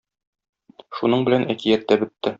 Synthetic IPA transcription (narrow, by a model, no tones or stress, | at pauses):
ʃunɤɴbɘ̆lænækijæt̪ːæbɘ̆t̪ːɘ